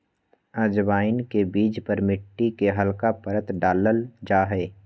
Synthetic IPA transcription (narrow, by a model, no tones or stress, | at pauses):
əd͡ʒbaːɪnkebiːd͡ʒpəɾmɪʈːikeɦəlkapəɾət̪ɖaːləld͡ʒaːɦɛː